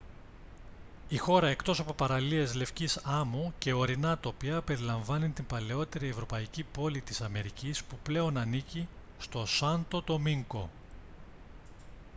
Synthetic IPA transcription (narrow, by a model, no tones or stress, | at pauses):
ixo̞ɾɐe̞kt̪o̞sɐpo̞pɐɾɐlie̞zle̞fcisɐmuce̞o̞ɾinɐt̪o̞piɐpe̞ɾilɐɱvɐnint̪impɐle̞o̞t̪e̞ɾie̞vɾo̞pɐicipo̞lit̪isɐme̞ɾicispuple̞o̞nɐnici | st̪o̞sɐnt̪o̞t̪o̞miŋko̞